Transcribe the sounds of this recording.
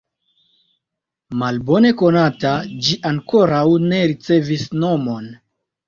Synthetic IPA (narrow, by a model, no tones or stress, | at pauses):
malbo̞ne̞ko̞natad͡ʒiʔaŋko̞ɾawne̞ɾit͡se̞visno̞mo̞n